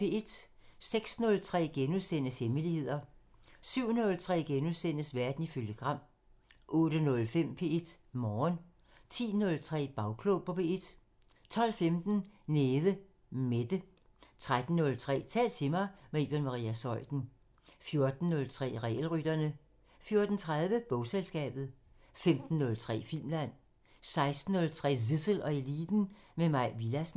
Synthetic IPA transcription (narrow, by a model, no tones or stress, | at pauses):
e̝ed̥seɡ̥snɔ̽lt͡sʰʁɛ̰ːɡ̥enuðˠsen̰əshemilihe̝ð̞̰ˠɐsyʊ̰nɔ̽lt͡sʰʁɛ̰ːɡ̥enuðˠsen̰əsʋæɐd̥n̩iføljəɡ̥ʁɑ̈m̰ | ʔɔ̽ːɾ̥ənɔ̽lfem̰pʰe̝ed̥mɒːn | t͡sʰḭːnɔ̽lt͡sʰʁɛ̰ːb̥ɑ̈ʊkʰlopʰɒ̽pʰe̝ed̥ | t͡sʰɒ̽l̰femd̥n̩neːðˠə | med̥ə | t͡sʰʁad̥n̩ːɔ̽lt͡sʰʁɛ̰ːt͡sʰɛ̰ːlt͡sʰe̝mɑ̈ɪmeeb̥enmɑ̈ʁiːæsɒ̽ɪ̰d̥n̩ | fjo̝ɐd̥n̩ːɔ̽lt͡sʰʁɛ̰ːʁɛ̰ːl̩ʁyd̥ɐnə | fjo̝ɐd̥n̩t͡sʰʁaðˠʋəb̥ɔʊselsɡ̥ɛ̰ːb̥ð̞̩ˠ | femd̥n̩ːɔ̽lt͡sʰʁɛ̰ːfil̰mlæn̰ | sɑ̈ɪsd̥n̩ːɔ̽lt͡sʰʁɛ̰ːsisəl̩ɒ̽e̝liːd̥n̩memɑ̈ɪ̰ʋilæs